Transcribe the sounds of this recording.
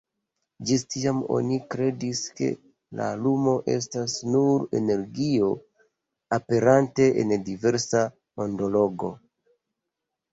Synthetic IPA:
d͡ʒistiamo̞̰nikɾe̞diske̞̰ | la̰lumo̞ʔe̞̰stasnuɾe̞̰ne̞ɾɡio̞ | ape̞ɾante̞ʔḛndive̞ɾsa | mondo̞lo̞ɡo̞̰

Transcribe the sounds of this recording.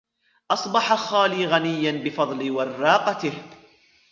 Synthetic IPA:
ʔɑsˤbɑħaxaːliːɣanɪjːanbɪfɑðˤlɪwɑrˤːɑːqɑt̪ɪh

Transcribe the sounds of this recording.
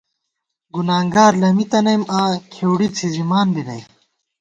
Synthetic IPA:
ɡunaːŋɡaːɾlɐmit̪ɐnɐjmaːkʰewɽit͡sʰizimaːnbinɐjm

